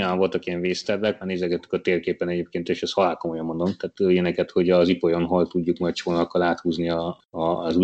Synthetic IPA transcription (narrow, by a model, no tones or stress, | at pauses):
jɒɱvo̞lt̪ɒkijɛɱveːst̪ɛrːɛk̚mɛːneːzɛɡɛt̪ːy̥kɒt̪eːrkeːpːɛnɛɟeːp̚keːnt̪eːʃɛshɒlaːkomo̞jɒmːo̞nd̪o̞mt̪aːt̪øːjɛnɛkɛt̪ho̞ɟɒzipo̞jo̞nɦo̞lt̪uɟːukmɒjt̪ʃoːnɒkːɒlaːt̪huːzniɒ | zu